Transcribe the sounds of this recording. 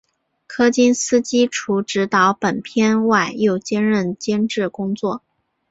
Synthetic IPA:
kʰɤ˥t͡ɕi˥nsɹ̩˥t͡ɕi˥ʈ͡ʂʰu˧˥ʈ͡ʂɻ̩˧˥t̪ɑ˧˥ʊpə˨˩npʰjɛ˥nwa˥˧ɪjo˥˩ʊt͡ɕjɛ˥nɻə˥˩nt͡ɕjɛ˥nʈ͡ʂɻ̩˥˩kʊ˥ŋt͡swɔ˥˩

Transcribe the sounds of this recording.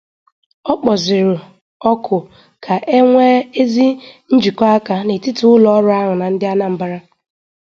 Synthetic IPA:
ɔ˦k͡pɔ˨zɪ˨ɾʊ˨ | ɔ˦kʰʊ˨ | kʰa˨ʔe˦ŋʷe˦e˦zi˦n̩˦d͡ʒi˨kɔ˦a˦ka˨ne˨tɪ˦tʊ˦ʊ˦lɔ˨˦ɔ˦ɾʊ˦a˦ɦʊ˨na˨n̩˦dɪ˦a˦na˦m̩˨ba˦ɾa˦

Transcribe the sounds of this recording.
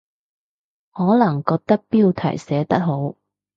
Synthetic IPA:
hɔː˨˥lɐ˨˩ŋkɔː˧k̚t̪ɐ˥k̚piː˥wt̪ʰɐ̰˨˩jsɛː˨˥t̪ɐ˥k̚ho˨˥w

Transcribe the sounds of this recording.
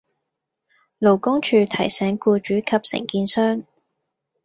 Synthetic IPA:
lo˨˩wkʊ˥ŋt͡ʃʰyː˧t̪ʰɐ˨˩jsɛː˨˥ŋkuː˧t͡ʃyː˨˥kʰɐ˨p̚sɪ̰˨˩ŋkiː˧nsœː˥ŋ

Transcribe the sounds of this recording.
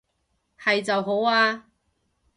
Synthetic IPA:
hɐ˨jt͡sɐ˨wɦo˨˥waː˧

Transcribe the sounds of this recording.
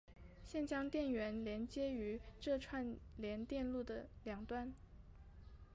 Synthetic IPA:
ɕjɛ˥˩nt͡ɕjɑ˥ŋt̪jɛ˥˩nɥɛ˧˥nljɛ˧˥nt͡ɕjɛ˥y˧˥ʈ͡ʂɤ˥˧ʈ͡ʂʰwa˥˩nljɛ˧˥nt̪jɛ˥˧nlu˥˩d̪ə˩ljɑ˨˩ŋt̪wa˥˩n

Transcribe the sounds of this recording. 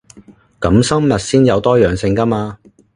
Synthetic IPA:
kɐ˨˥msɐ˥mːɐ˨t̚siː˥njɐ˨˧wt̪ɔː˥jœː˨ŋsɪ˧ŋkɐ˥maː˧

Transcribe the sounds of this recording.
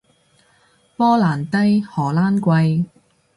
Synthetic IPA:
pɔː˥laː˨˩nt̪ɐ˥jhɔː˨˩laː˥nkʷɐ˧j

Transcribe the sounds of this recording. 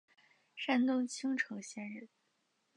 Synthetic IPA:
ʂa˥nt̪ʊ˥ŋt͡ɕʰi˥ŋʈ͡ʂʰɤ˧˥ŋɕjɛ˥nɻ̩˥˩

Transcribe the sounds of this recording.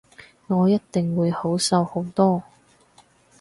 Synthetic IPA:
ŋɔː˨˧jɐ˥t̚t̪ɪ˨ŋwuː˨˧jho˨˥wsɐ˧who˨˥wt̪ɔː˥

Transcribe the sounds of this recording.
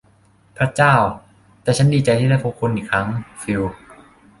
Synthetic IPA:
pʰɾa˦˥t͡ɕaː˥˩w | t̪ɛː˨˩t͡ɕʰa˦˥ndiː˧t͡ɕa˧jt̪ʰiː˥˩a˥˩pʰuː˧˩kʰːo˧nʔiː˨˩kʰɾa˦˥ŋfi˧w

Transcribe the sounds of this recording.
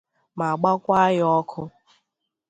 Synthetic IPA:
ma˨ɡ͡ba˦kʷa˦ɣɪ˦ɔ˦kʰʊ˦

